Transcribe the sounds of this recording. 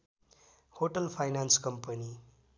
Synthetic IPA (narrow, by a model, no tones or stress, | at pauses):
hoʈʌlpʰajnanskʌmpʌni